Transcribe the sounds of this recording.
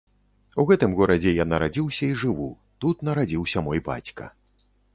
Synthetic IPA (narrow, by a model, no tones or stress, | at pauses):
uɣɛt̪ɨmɣɔɾɐd͡zʲɛjanɐɾad͡zʲiwsʲɐiʐɨvu | t̪ut̪nɐɾad͡zʲiwsʲɐmɔjba̰t͡sʲkɐ̰